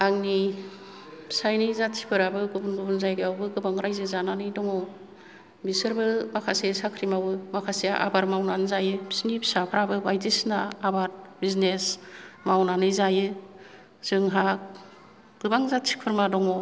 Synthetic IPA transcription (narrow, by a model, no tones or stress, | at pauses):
aŋni | bʰi̥sajnɯjzatsʰi̥pʰɯɾabɯɡubunɡubunzajɡɯawbɯɡɯbaŋɾajzɯzananɯjdɔŋɔ | bisɯɾbɯmakʰasesakʰɾimawɯmakʰaseaʔa̰baɾmawnanɯzajɯbʰi̥snibʰi̥sapʰɾabɯbajdisnaːbaɾbiznesmawnanɯjzajɯ | z̥ɯŋɦak̚ | ɡ̥ɯbaŋzatsi̥pʰɯɾmadɔŋɔ